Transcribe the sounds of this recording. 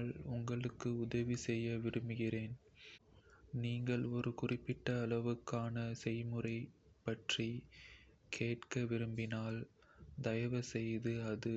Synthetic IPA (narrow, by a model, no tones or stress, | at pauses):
ɭʊŋɡɐɭɯkːɯʊðɐʋisɛjːɐʋɪɾɯmbɯɣɪreːn | niːŋɡɐɭɔɾɯkʊrɪpːɪʈːɐːlɐʋɯkːaːnɐsɛjmɯrɐɪpːɐʈri | kʰeːʈkɐʋɪɾɯmbɪnaːl | d̪ɐjɐʋɐsɛjðɯɐðɯ